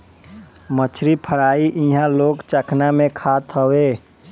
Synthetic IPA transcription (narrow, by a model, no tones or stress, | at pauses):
mət͡ʃʰɾipʰəɽaːiʔĩɦãloːɡt͡ʃəkʰnamẽkʰaːt̪ɦəweː